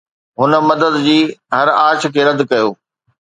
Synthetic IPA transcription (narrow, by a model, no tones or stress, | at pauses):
ɦʊnə̆mɐd̪əd̪d͡ʑiːɦɐɾaːt͡ɕ̆ʰkʰeːɾɐd̪kɐjoː